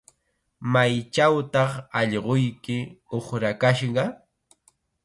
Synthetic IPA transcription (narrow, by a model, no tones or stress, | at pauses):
majt͡ʃawt̪ɑχɑʎɢojkɪoχɾakaʃɢɑ